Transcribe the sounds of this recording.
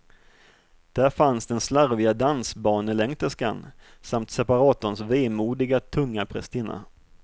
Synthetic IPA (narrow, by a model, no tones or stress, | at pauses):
d̪̥æɾfansd̪ɛnslaɾvɪɡad̪ansbɑːnəlɛŋt̪əʂka̰n | samt̪sɛpaɾɑːt̪ənsveːmuːd̪ɪɡat̪ʰɵŋːapʰɾɛ̰st̪ɪːna̰